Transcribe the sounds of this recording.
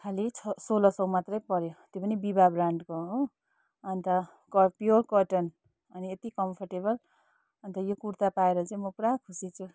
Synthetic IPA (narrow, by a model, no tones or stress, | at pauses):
kʰalit͡sʰsolʌsʌ̃w̃mat̪rʌjpʌɾjot̪jopʌnibibabraɳɖkoɦo | ʌnt̪ʌ | kʌpjorkʌʈʌn | ʌniet̪ikʌmpʰʌrʈebʌl | ʌnt̪ʌjokuɾt̪apaeɾʌt͡sʌj̃mʌpuɽakʰusit͡sʰu